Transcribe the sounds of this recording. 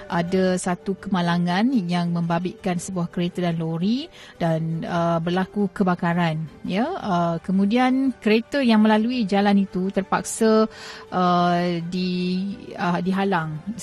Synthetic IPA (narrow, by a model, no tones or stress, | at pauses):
ʔadasat̪ukəmalaŋãnjaŋmə̃mbabɪʔkansəbuahkəɾet̪ədanloɾi | danəbərlakukəbakaɾanjaəkəmũdiankəɾet̪əjaŋmə̃laluid͡ʒalanit̪ut̪ərpa̰k̚saʔədi | ədiɦalaŋ